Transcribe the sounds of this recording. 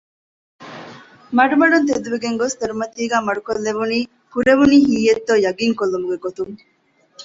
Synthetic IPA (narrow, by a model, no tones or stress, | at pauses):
mɐɖumɐɖunt̪̬ed̪uʋeɡeŋɡost̪eɾumɐt̪iːɡæːmɐɖukolːeʋuniː | kuɾeʋuniːhiːet̪ːoːjɐɡiŋkolːumuɡeɡot̪uŋ